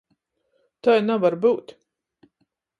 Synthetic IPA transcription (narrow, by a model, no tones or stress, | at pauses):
t̪ajnavaɾbuːt̪